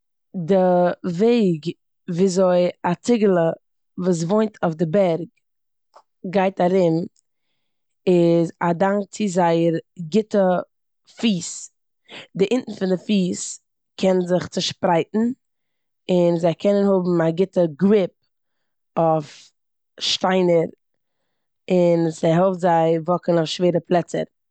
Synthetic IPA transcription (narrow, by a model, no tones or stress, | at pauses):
dɪveɪɡ | viːzoɪat͡sɪɡəlˠə | vuːs̬voɪntʰɔfdɪbɛɾɡ̚ | ɡaɪtaɾɪm | ɪzadaŋk̚t͡sizaɪəɾɡɪtə | fiːs | dɪʔɪntn̩fɪndɪfiːs | kʰɛnzɪχt͡səʃpɾaɪtn̩ | ɪnzaɪkʰɛnənhʊbm̩aɡɪtəɡɾɪp̚ | ɔf | ʃtaɪnəɾ | ɪnsɛɦɛlˠftzaɪvɔkənɔʊfʃveːɾəplˠɛt͡sə̰ɾ